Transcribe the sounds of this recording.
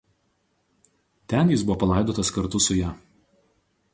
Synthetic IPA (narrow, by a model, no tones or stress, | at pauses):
t̪ʲɛnjɪsbʊʋɔːpɐlˠɑˑɪd̪oːt̪ɐskɐɾt̪ʊsʊjæːˑ